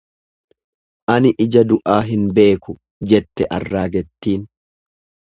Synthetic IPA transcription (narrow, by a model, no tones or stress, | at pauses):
ʔɐnɪʔɪd͡ʒɐd̪ʊʔaːɦɪnbe̞ːkʊ | d͡ʒɛt̪ːɛʔɐrːaːɡɛt̪ːiːn